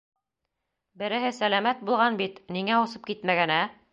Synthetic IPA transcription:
bɘ̆ɾɘ̆ɦɘsælæmæt̪̚bulˠʁɑnbit̪niŋæusɤp̚kit̪mæɡænæ

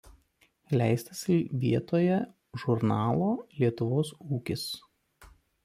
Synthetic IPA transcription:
lʲæˑɪsʲt̪ɐsʲɪʋʲiɛt̪oːjɛ | ʒʊɾnɑːlˠoːlʲiɛt̪ʊʋoːsuːkʲɪs

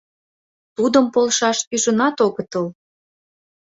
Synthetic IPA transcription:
t̪ud̪əmpolʃɑʃyʒə̆nɑt̪oɣət̪əl

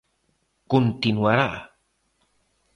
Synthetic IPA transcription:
kʊnt̪inwaɾaʔ

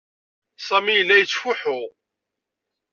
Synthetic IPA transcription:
sˤæmijəlːæjət͡sːfʊħʊ

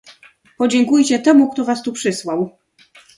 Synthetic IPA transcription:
pɔd͡ʑɛŋkujt͡ɕɛt̪ɛmuk̚t̪ɔvast̪upʂɘswaw

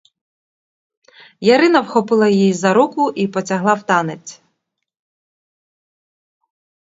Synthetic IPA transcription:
jɐɾɪnɐwxɔpɪlˠɐjjijzɐɾukʊʔipɔt͡sʲɐɦlˠɑwt̪ɑnet͡sʲ

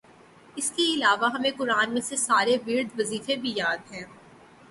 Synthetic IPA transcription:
ɪskeɪlaːʋaɦɐmẽkʊɾaːnmẽsesaːɾeʋɪɾd̪ʋɐziːfebʱijaːd̪ɦɛ̃ː

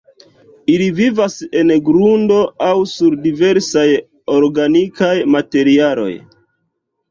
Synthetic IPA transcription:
ilivivase̞nɡɾundo̞awsuɾdive̞ɾsaj | o̞ɾɡanikajmate̞ɾialo̞̰j

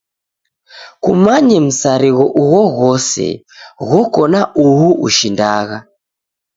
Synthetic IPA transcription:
kumaɲɛm̩saɾiɣɔʔuwɔɣɔsɛ̰ | ɣɔkɔnaʔuɦuʔṵʃindaːɣa

